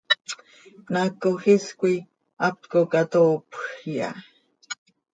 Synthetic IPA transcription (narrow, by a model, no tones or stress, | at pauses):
pnakoxiskʷi | ʔap̚t̪kokat̪oːpxja̰